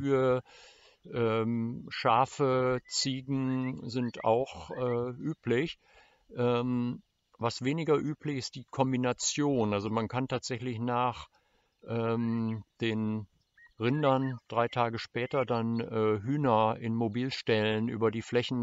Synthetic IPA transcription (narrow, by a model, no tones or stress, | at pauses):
yːə | ʔɛːmʃaɐfət͡siːɡŋ̩zɪntʰa̰ʊxʔɛːʔyːplɪç | ʔɛːm | vasveːnɪɡɐʔyːplɪçɪst̚d̥iːkʰɔmbinat͡sjoːnalzomankʰantʰaːtz̥ɛçlɪçnaːχ | ʔɛːmd̥eːn | ʁɪndɐnd̥ʁaɪtʰaːɡəʃpɛːtɐdanʔɛːɦyːnɐʔɪ̰nmobiːlʃtɛlənʔy̰ːbɐdiːflɛçn̩